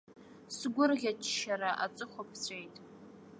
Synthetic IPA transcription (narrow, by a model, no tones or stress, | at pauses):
sɨɡʷʊrɣʲat͡ʃʰʃaɾaʔa̰t͡sʼɨχʷopʰt͡sʷʰʼejtʼ